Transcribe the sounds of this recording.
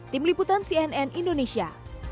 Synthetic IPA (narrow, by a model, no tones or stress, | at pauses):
t̪ɪmliput̪ansiɛnɛnindonesia